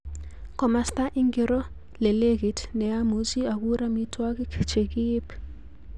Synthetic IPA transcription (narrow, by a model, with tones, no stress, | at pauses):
kɔ˨ma˦st̪a˦ʔi˦ŋɡe˨ɾɔ˦ | lɛ˨le˦ɡi˨tnɛ˨a˦mu˨si˦a˨ku˦ɾa˦mi˦tʰwa˦ki˦kʰt͡ʃe˨ki˦p